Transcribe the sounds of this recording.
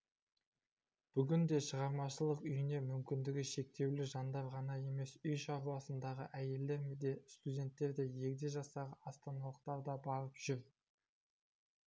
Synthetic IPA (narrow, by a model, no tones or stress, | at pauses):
b̥ʏɡʲɪnd̪e̞ʃəʁɑɾmɑʃəlˠəqʏjɪne̞mʏmkʲɪnd̪ɪɡʲɪʃe̞k̚t̪e̞wlɪʒɑnd̪ɑɾʁɑnɑje̞me̞sʏjʃɑɾuwɑsənd̪ɑʁəʔæje̞ld̪e̞ɾmed̪e̞st̪udʲe̞nt̪ːe̞ɾd̪e̞je̞kʲd̪eʒɑsɑʁəɑst̪ɑnɑlˠəq̚t̪ɑɾd̪ɑbɑɾəpʒ̥ʏɾ